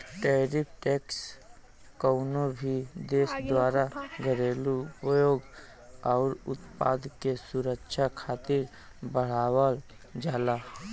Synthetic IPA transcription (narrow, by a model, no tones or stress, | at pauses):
ʈɛːɾɪpʰʈeːks | kəʊnobʱid̪eːsd̪waːɾaɡʱəɾelupəjoːɡ | ɔːɾʊt̪pa̰ːd̪kesʊɾəkʃʰakʰaːt̪ɪɾ | bəɽ̤aːwəl | d͡ʒaːla